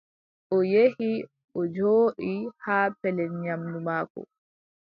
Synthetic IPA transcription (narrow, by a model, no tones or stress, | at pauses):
ʔɔjehi | ʔɔd͡ʒoːɗihaːpɛlɛnɲamdumaːkɔ̰